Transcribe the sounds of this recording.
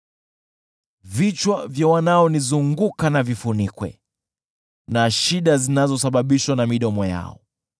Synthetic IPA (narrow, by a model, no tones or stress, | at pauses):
vit͡ʃwavjawanaɔnizuŋɡukanavifunikwɛ̰ | naʃiɗazinazɔsaɓaɓiʃwanamiɗɔmɔja̰ɔ̰